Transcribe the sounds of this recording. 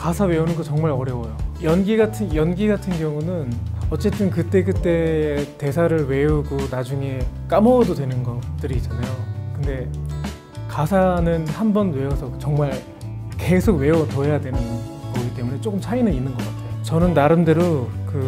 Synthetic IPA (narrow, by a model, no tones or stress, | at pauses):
kasʰawe̞unɯnɡot͡ɕʌŋmaɾʌɾjʌwʌjojʌnɡiɡatʰɯnjʌnɡiɡatʰɯnɡjʌŋunɯnʌt͡ɕ͈e̞t͈ɯnkɯt͈e̞ɡɯt͈e̞ːte̞sʰaɾɯɭwe̞uɡonad͡ʑuŋe̞k͈amʌdodwe̞nɯnɡʌt͈ɯɾiːt͡ɕ͈anajokɯnde̞ | kasʰanɯnhambʌnwe̞osʰʌt͡ɕʌŋmaɭ | ke̞sʰoɡwe̞otoɦe̞jadwe̞nɯnɡʌɡit͈e̞mune̞t͡ɕ͈ok͈ɯmt͡ɕʰainɯninːɯnɡʌk͈atʰejot͡ɕʌnɯnːaɾɯndɯɾokɯ